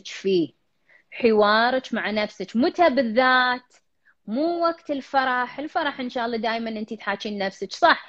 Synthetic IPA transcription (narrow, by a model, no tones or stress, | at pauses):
t͡ʃfi | ħɪwɑːɾˤɑt͡ʃmaʕanafsɪt͡ʃmʊt̪abɪðːaːt̪ | muːwaɡt̪ɪlfɑɾˤɑħɪlfɑɾˤɑħʔɪnʃaːʔɑlˤːɑd̪aːjmanʔɪnt̪it̪ħaːt͡ʃiːnːafsɪt͡ʃsˤɑħ